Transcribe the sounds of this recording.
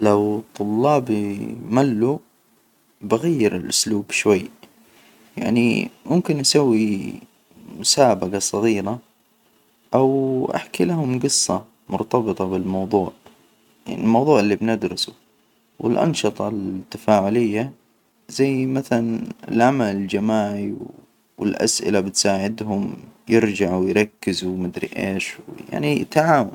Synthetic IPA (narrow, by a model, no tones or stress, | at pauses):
lawt̪ˤʊlːɑːbimalːu | baɣajːɪɾɪlʔʊsluːbʃwajː | ja̰ʕnḭmʊmkɪnʔasawːi | mʊsaːbaqɑsˤːɑɣiːɾɑ | ʔawʔa̰ħkilaɦʊmɡɨsˤːɑ | mʊ̰ɾt̪ɑbɨt̪ˤɑbɪlmɑwðˤuːʕ | ja̰ʕnilmɑwðˤuːʕɪlːibnɪd̪ɾˤɑsʊ | wɪ̰lʔɑ̰nʃɨt̪ˤɑlt̪ːafaːʕʊlɪjːa | zajːmaθalanɪ̰lʕamalɪld͡ʒamaːʕiw | wɪlʔa̰sʔɪ̰labɪt̪saːʕɪd̪ɦʊmjɪɾd͡ʒaʕwɪjɾˤɑkːɪzumɪd̪ɾḭʔḛːʃwja̰ʕnit̪aʕaːwan